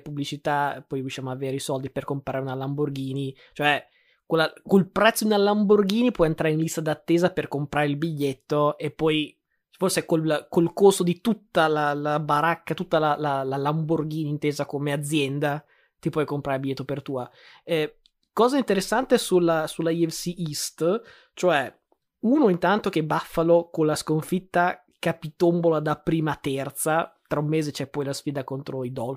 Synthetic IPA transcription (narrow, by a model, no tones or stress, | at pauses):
publit͡ʃit̪apːɔjɾiuʃːjaːmoavːeːɾeisɔld̪iperkompɾa̰ːɾeunalamborɡiːni | t͡ʃoɛ | kelːakolpɾɛt̪sːod̪inalːamborɡiːnipwɔjent̪ɾaːɾeinlist̪ad̪at̪ːeːzaperkompɾaːɾeilbiʎːet̪ːoepːɔj | forsekolkolkosod̪it̪ut̪ːalalabaɾakːat̪ut̪ːalalalalamborɡiːnint̪eːzakomead̪zːjɛnd̪a | t̪ipwɔjkompɾaːɾebijɛːt̪opert̪uːa | ɛ | kɔːzaint̪eɾesːant̪esulasulaiɛfsiist̪ | t͡ʃoɛ | uːnoint̪ant̪ok̟ebafːalokonlaskoɱfit̪ːa | kapit̪ombolad̪apɾiːmat̪ɛrt̪sat̪ɾaumːeːzet͡ʃɛpːɔjlasfiːd̪akont̪ɾoid̪ɔl